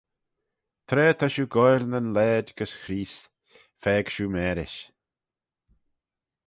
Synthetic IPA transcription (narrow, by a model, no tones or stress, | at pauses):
t̪ʰɾeːt̪ʰaʃuːɡɔjlnənlɛːd̪ɡəsxɾiːs | fɛːɡ̥ʃuːmɛːɾɪ̰ʃ